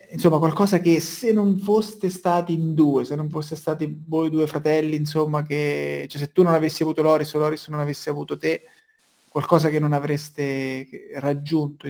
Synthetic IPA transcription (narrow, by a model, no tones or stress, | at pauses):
insomːakwalkɔːzak̟esenːonfost̪est̪aːt̪iind̪uːesenːoɱfosːest̪aːt̪ivojd̪uːefɾat̪ɛlːiːnsomːaket͡ʃɛs̬et̪ːunːonavesːiavuːt̪olɔːɾislɔːɾisnonavesːeavuːt̪ot̪e | kwalkɔːzak̟enːonavɾest̪e | rad͡ʒːunt̪o